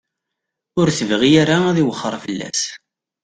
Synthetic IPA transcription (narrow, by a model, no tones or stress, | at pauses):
ʊɾθəvʁiaɾaæðiwəχːəɾˤfəlːæ̰s